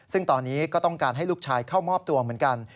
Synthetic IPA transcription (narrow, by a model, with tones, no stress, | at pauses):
sɯ˥˩ŋt̪ɔː˧nːiː˦˥kɔː˥˩t̪ɔ˥˩ŋkaː˧nɦa˥˩jluː˥˩k̚t͡ɕʰaː˧jkʰa˥˩wmɔː˥˩p̚t̪u˧ɐmɯ˩˦ənka˧n